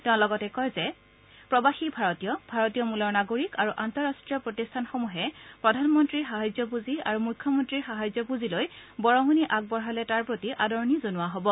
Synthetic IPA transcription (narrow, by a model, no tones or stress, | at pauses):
tɛʊ̃lɔɡɔtɛkɔjzɛ | pɹɔbaxibʱaɹɔtijɔbʱaɹɔtijɔmulɔɹnaɡoɹikaɹuʔantɔɹastɹijɔpɹotistʰanxomuɦɛpɹɔdʱanmɔntɹixaɦazɔpuzia̰ɹumujkʰːjɔmɔntɹiɹxaɦazjɔpuzilojbɔɹɔɦuniʔaɡ̚bɔɹɦalɛtaɹpɹotiʔadɔɹnizonʊwaɦɔbɔ